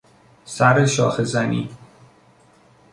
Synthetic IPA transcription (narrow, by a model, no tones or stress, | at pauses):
sæɾeʃɒ̰ːxezænḭː